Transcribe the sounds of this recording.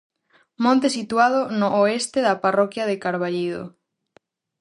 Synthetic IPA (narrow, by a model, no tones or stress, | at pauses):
mõnt̪esit̪uað̞onʊʔoest̪eðaparɔkjaðekaɾβaʎiðo̰